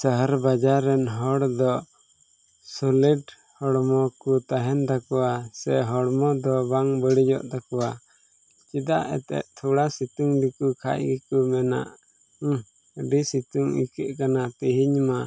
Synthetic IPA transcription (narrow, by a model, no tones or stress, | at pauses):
səɦəɾbad͡ʒaɾɛnɦɔɽd̪ɔ | sɔliɖ | hɔɽmɔkut̪aɦɛnd̪akɔasɛɦɔɽmɔd̪ɔbaŋbəɽid͡ʒɔ̰ʔd̪akɔwa | t͡ʃid̪aʔɛ̰t̪ɛ̰ʔt̪ʰuɽasit̪uŋd̪ikukʰa̰ʔɡɛkumɛna̰ʔ | əɖisit̪uŋḭkɛʔkanat̪iɦiɲma